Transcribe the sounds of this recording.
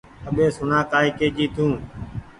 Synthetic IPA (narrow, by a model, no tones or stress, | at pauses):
əɓeːsʊnãːkaːikeːd͡ʒiːt̪ʰũː